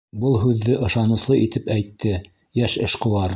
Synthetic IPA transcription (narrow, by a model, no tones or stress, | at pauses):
bɤlˠɦʉðːɘʔɤ̆ʃɑnɤ̆slˠɤʔit̪ɘpæjt̪ʰːɘ | jæʃɘʃqŏwɑɾ